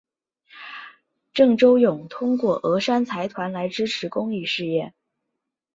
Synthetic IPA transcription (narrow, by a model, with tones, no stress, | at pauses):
ʈ͡ʂɤ˥˩ŋʈ͡ʂo˥ʊjʊ˨˩ŋt̪ʰʊ˥ŋkwɔ˥˩ʔɤ˧˥ʂa˥nt͡sʰa˧˥ɪt̪ʰwa˧˥nla˧˥ɪʈ͡ʂɻ̩˥ʈ͡ʂʰɻ̩˧˥kʊ˥ŋi˥˧ʂɻ̩˥˧jɛ˥˩n